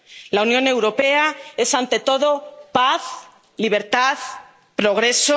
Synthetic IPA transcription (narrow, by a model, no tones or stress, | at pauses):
launjõ̞ne̞wɾo̞pe̞ae̞sant̪e̞t̪o̞ðo̞paθ | liβ̞e̞ɾt̪aθ | pɾo̞ɣ̞ɾe̞so